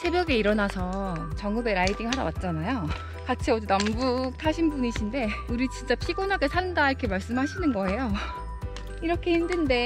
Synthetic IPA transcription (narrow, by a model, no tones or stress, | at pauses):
sʰe̞bjʌɡe̞iɾʌnasʰʌt͡ɕʌŋɯbe̞ɾaidiŋɦaɾa̰wa̰t̚t͡ɕ͈anajo | kat͡ɕʰiʌdunambuk̚tʰaɕʰinbuniɕʰinde̞uɾit͡ɕint͡ɕ͈apʰiɡonɦaɡe̞sʰanɯndaiɾʌkʰe̞maɭs͈ɯmɦaɕʰinɯnɡʌe̞jo | iɾʌkʰe̞hindɯnde̞